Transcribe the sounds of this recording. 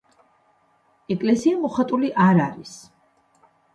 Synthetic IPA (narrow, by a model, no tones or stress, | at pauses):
ɛkʼlɛsiamɔχat̪ʼuliʔaɾaɾis